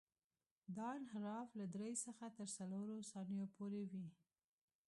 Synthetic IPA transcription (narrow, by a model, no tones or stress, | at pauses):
d̪ɑnɦɾɑflad̪ɾejsəxat̪əɾsaloɾosɑnəjopʰoɾewi